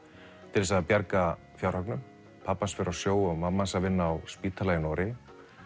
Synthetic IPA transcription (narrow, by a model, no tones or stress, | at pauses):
t̪ʰɪlɛsaðpjaɾka | fjawɾhœknʏm | pʰapːansfɛɾawsjoːwɔɣmamːansaðvɪnːaːwspiːt̪ʰalajɪnɔɾɪ